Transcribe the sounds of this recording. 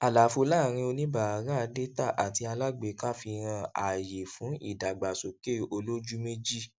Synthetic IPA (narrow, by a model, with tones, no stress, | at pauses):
a˨la˨˦fo˧la˦˨ɾ̃ĩ˧o˧nĩ˦ba˨a˨ɾã˦a˧de˦ta˦˨ʔa˨ti˧˦a˧la˦ɡ͡be˧˨ka˦fi˧ɾ̃ã˧a̰˨je˨fũ˨˦ḭ˦˨da˨ɡ͡ba˨so˨ke˦˨o˧lo˦d͡ʒu˦me˦d͡ʒi˦˨